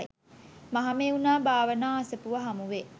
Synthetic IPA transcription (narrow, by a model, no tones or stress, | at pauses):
maɦameunaːbaːʋənaːasəpuʋɐɦamuʋe